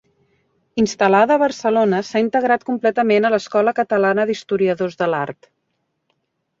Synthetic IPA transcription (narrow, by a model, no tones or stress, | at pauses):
inst̪əlaðəːβərsəlonəsaint̪əɣɾat̪̚kumplɛt̪əmenələskɔləkət̪əlanəðist̪uɾiəðozðəlart̪